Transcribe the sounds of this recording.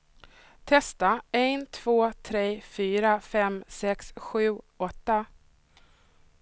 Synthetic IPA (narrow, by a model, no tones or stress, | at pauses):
t̪ʰɛst̪aɛnt̪ʰv̥oːt̪ʰɾeːfyːɾafɛmsɛksɧʉ̟ː | ɔt̪ːa